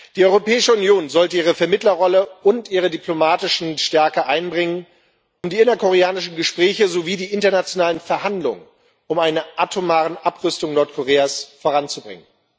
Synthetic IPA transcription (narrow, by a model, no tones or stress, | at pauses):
d̥iːʔɔʏʁopɛːɪʃəʊnjoːnzɔltəiːʁ̞əfɛɐmɪtlɐʁɔləʊntʔiːʁədiplomaːtɪʃn̩ʃtɛɐkəʔaɪnbʁɪŋən | ʊmdiːɪnɐkʰoʁ̞eaːnɪʃn̩ɡəʃpʁ̥ɛːçəzoviːdiːʔɪntɐnat͡sjonaːlənfɛɐɦandlʊ̰ŋən | ʔʊmaɪnəʔatʰomaːʁənʔapʁʏstʊŋnɔɐtkʰoʁeːasfoːʁant͡subʁɪ̰ŋən